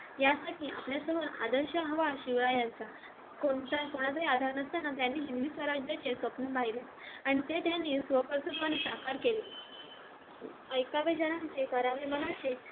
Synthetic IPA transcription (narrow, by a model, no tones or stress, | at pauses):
jasaʈʰia̰pljasəməɾa̰d̪əɾɕəɦəʋaɕiʋɭajãnt͡sa | koɳt̪akoɽ̃at͡saiad̪ʱaɾnəst̪anat̪janːiːɦind̪iːsʋəɾad͡ʑjət͡sesʋəpnubʱaɦile | aɽ̃it̪et̪janːiːsʋəpəɾsud̪ʋanesakaɾkele | əjkaʋed͡ʑənãnt͡sekəɾaʋemənat͡se